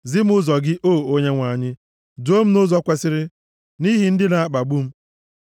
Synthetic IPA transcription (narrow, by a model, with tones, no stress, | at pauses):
zɪ˦m̩˦ʊ˦zɔ˨ɡɪ˦ʔoː˦˨o˦ɲe˦ŋʷa˨ɲɪ˦ | do˦m̩˦nʊ˦zɔ˦kʷe˨sɪ˦ɾɪ˦ | ni˦ɦi˨n̩˦dɪ˦na˨a˦k͡pa˨ɡ͡bu˦m̩˦